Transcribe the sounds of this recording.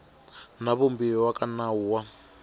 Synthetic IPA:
naβombiwakʼanauwa

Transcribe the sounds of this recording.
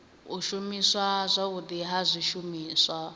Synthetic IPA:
uʃumiswazʷaudiɦazʷiʃumiːswa

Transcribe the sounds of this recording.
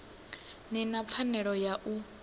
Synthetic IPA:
nɛnap̪fʰanɛɺɔjaʔu

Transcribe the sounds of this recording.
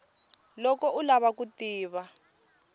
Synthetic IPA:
lɔkɔulaβakutiːβa

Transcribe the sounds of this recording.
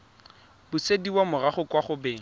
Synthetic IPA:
bʊsediwamʊraχʊkwaχʊbeːŋ̩

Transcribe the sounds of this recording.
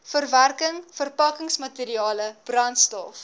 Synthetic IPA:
fərværkəŋfərpɐkəŋsmɐteɾiɑːləb̥rɐntstɔ̰f

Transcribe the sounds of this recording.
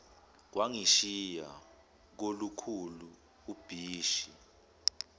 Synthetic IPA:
k̬waŋiʃija | k̬olukʰulu | ub̥ʱiːʃi

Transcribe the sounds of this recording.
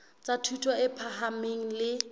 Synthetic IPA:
t͡sʼatʰutʰɔɪpʰaɦameŋ̩lɪ

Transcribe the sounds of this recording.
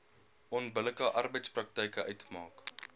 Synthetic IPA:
ʔɔnbələkəʔɐrbəjtsprɐk̚tɛjkəœɥtmɑːk

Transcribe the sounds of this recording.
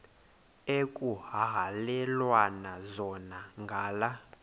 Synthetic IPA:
ekʼuɦaɦalɛlwanazɔnaŋɡʱaːla

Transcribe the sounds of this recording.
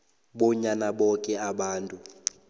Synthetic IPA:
ɓɔɲanaɓɔkʼɛaɓaːntʼu

